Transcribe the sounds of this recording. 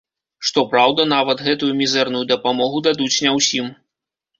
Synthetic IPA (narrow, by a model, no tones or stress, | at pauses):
ʂt̪ɔpɾawd̪ɐnavɐt̪ɣɛt̪ujumʲizɛrnujud̪ɐpamɔɣud̪ad̪ut͡sʲnʲɛwsʲim